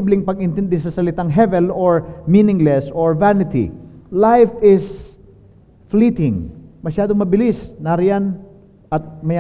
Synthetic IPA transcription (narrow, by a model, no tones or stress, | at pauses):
iblɪŋpɐɡʔɪnt̪ɛnd̪ɛsɐsɐlɪt̪aŋɦɛvɛloɹminɪŋlɛsoɹvanɪt̪ḭlajfɪs | fliːt̪ɪŋmɐʃaːd̪oŋmɐbɪlisnaɾɪjan | ʔɐt̪̚mɐja